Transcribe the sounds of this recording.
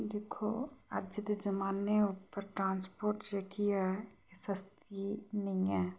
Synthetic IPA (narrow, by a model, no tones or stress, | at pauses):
d̪eːkʰo̰ə̰ɾd͡ʒɪd̪d͡ʒəmaːnːeʊpəɾʈɾãːnspoːɾʈd͡ʒekijaɦɛesəst̪inɐĩɛː